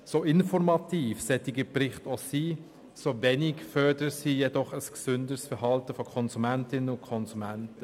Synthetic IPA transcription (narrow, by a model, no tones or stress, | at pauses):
soɪnfɔɾmɑtiːfsɛtɪɡəprɪχtosiː | sovɛnɪkfœɾdəɾsiːjɛdɔχəsksʏndəsfɛɾɦɑltəfɔkʰɔnzumæntɪnənʊnkʰɔnzumæntə